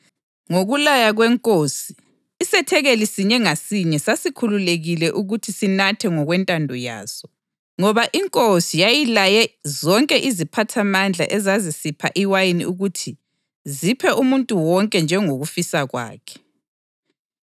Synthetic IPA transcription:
ŋoɣulajaɣwɛŋkʼosiː | sɛtʰɛɣelisiɲɛŋasiɲɛsasikʰululeɣilɛʔuɣutʰisinatʰɛŋɔɣwɛntʼandʱɔja̰ːsɔ | ŋɔβaʔiŋkʼosijajilajɛzɔŋkʼɛʔizipʰatʰamand͡ɮʱa̰ʔɛzazisipʰa̰ʔiwajiniuɣutʰi | zipʰɛʔumuntʼuwɔŋkʼɛnd͡ʒʱɛŋoɣufisaɣwa̰ːkʰɛ̥

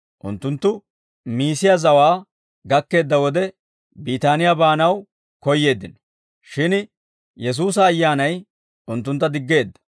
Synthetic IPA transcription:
ʔʊ̰nt̪ːʊnt̪ːʊ | miːsɪjazɐwaː | ɡɐkːe̞ːd̪ːɐwɔd̪ɛ | biːt̪aːnɪjabaːnɐw | kɔjːe̞ːd̪ːɪnɔ̥ | ʃɪn | jɛs̬uːs̬ɐːjːaːnɐj | ʔʊnt̪ːʊnt̪ːɐd̪ɪɡːe̞ːd̪ːɐ̥

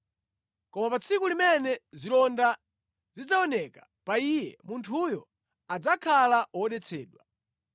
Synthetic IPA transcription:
kɔmapat͡sʰikulimɛnɛzilɔnda | zid͡zaɔnɛkḁ | paijɛmuntʰujɔ | ad͡zakʰalaɔɔɗɛt͡sʰɛːɗwa

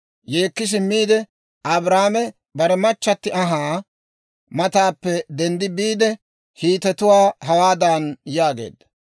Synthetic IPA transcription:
jeːkːɪs̬ɪmːiːd̪ɛ | ɐbɾaːmɛ | bɐɾɛmɐt͡ʃːɐt̪ːɪɐɦaː | mɐt̪aːpːɛd̪ɛnd̪ɪbiːd̪ɛ | hiːt̪ɛt̪ʊwaːhɐwaːd̪aːnjaːɡḛːd̪ːɐ

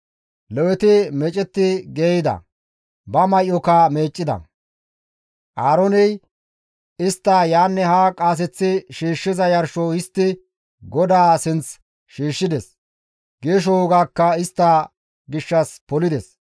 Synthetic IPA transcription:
lɛwɛt̪ɪmɛt͡ʃʼɛt̪ːɪɡeːjɪd̪ɐ̰ | bɐmɐjʔɔkame̞ːt͡ʃʼːɪd̪ɐ̰ | ʔaːɾɔnɛj | ɪst̪ːajaːnːɛhaːkʼaːs̬ɛt͡sːɪʃiːʃːɪzɐjɐɾʃɔhɪst̪ːɪ | ɡɔd̪aːsɪnt͡s | ʃiːʃːɪd̪ɛs | ɡeːʃ̬ɔwɔɡaːkːɐɪst̪ːaː | ɡɪʃːɐspɔlɪd̪ɛs

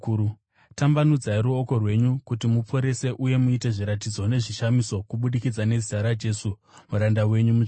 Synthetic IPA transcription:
tambanud͡zaiɾuoko̞rwe̞ɲukutimup͡fo̞ɾe̞se̞ʔuje̞muite̞ʐiɾatid͡zo̞ne̞ʐiʃamiso̞kuɓuɗikid͡zane̞ziaɾad͡ʒe̞su | muɾandawe̞ɲumu

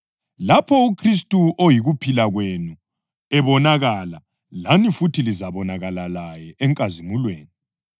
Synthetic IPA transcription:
lapʰɔukʰris̬tʼuʔojiɣupʰilaɣwenu | ɛβɔnaɣala | lanifutʰilizaβɔnaɣalalajɛʔɛŋkʼazimulweːni

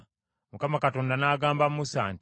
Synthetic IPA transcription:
mukamakatoːndanaːɡaːmbammusa̰ːnt

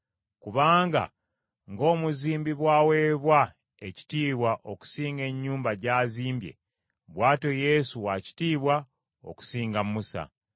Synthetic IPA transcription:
kuβaːŋɡa̰ | ŋɡo̞ːmuziːmbiβwaːwe̞ːβwa | e̞ci̥tiːβwaʔo̞ku̥siːŋɡe̞ɲːuːmbaɟaːziːmbje̞̰ | βwaːto̞je̞suwaci̥tiːβwa | o̰ku̥siːŋɡamusa̰

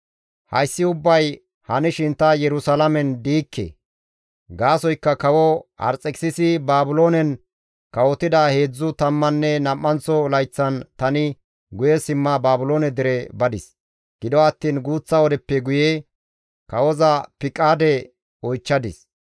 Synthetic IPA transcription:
hɐ̰jsːɪʊbːɐj | hɐnɪʃɪnt̪ːɐjɛɾʊsɐlɐmɛnd̪iːkːḛ | ɡaːsɔjkːɐkɐwɔhɐ̰ɾt͡sʼːɛkʼsɪsɪbaːbʊlo̞ːnɛn | kɐwɔt̪ːɪd̪ɐhe̞ːd͡zːʊt̪ɐmːɐnːɛnɐmːɐnt͡sɔlɐjt͡sːɐnt̪ɐnɪ | ɡʊjɛsɪmːɐbaːbʊlo̞ːnɛd̪ɪɾɛbɐd̪ɪs | ɡ̥ɪd̪ɔɐt̪ːiːnɡuːt͡sːɐɔd̪ɛpːɛɡʊje | kɐwɔzɐpɪkʼːaːd̪ɛ | ɔjt͡ʃːɐd̪ɪs

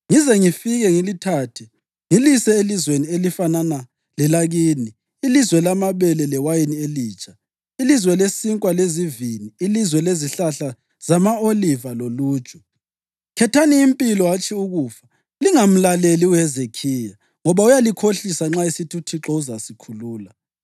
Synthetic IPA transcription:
ŋizɛŋifiɣɛŋilitʰaːtʰɛ | ŋilisɛelizwenielifanana | lɛlaɣiːniː | lizwɛlamaβɛlɛlɛwajinieliːt͡ʃʼʰa | ilizwɛlesiŋkʼwaleziviniːlizwɛleziɬaɬa | z̥amaolivalolu̥ːt͡ʃʼu̥ | kʰɛtʰaniːmpʼilɔwat͡ʃʰʼiuɣuːfa | liŋam̩laleliuɛzekʰija | ŋɔβaujalikʰoɬisaŋ͡ǁaesitʰutʰiǁɔuzasikʰuluːla

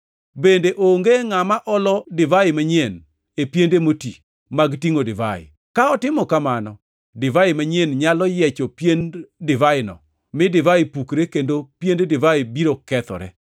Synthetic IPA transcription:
bendeʔoŋɡeŋamaʔɔlɔdɪvaɪmaɲien | epjendemoti | maɡtiŋodɪva̰ɪ̰ | kaɔtɪmɔkamanɔ | dɪvaɪmaɲenɲalɔjɛt͡ʃɔpjendɪvaɪnɔ̰ | mɪdɪvaɪpukɾekendopjendedɪvaɪbiɾokɛt̪ɔ̰ɾɛ̰

